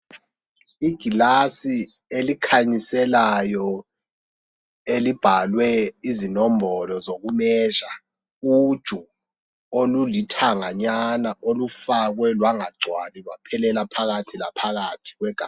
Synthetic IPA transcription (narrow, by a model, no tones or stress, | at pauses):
iɡ̥ʱilasi | elikʰaɲisɛlajɔ | elib̥ʱalwɛizinɔmbɔlɔzok̬umɛːʒa | ud̥ʒ̥ʱu | olulitʰaŋaɲanaʔolufak̬wɛlwaŋaɡ͡ǀʱwanilwapʰɛlɛlapʰaɣ̬atʰila̰pʰaɣatʰi̥k̬wɛɡ̥ʱa̰